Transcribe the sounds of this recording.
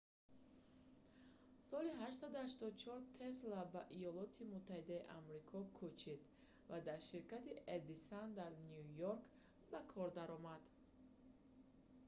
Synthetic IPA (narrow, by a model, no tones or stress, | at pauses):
sɔliɦaʃt̪sad̪uhaʃt̪ɔd̪ut͡ʃʰɔɾt̪ʰeslabaʔijɔlɔt̪ʰimut̪ʰːahid̪aiʔamɾikʰɔkʰut͡ʃʰid̪ | vad̪aɾʃiɾkat̪iʔed̪isand̪aɾnijujoɾk | bakʰɔɾd̪aɾɔmad̪̥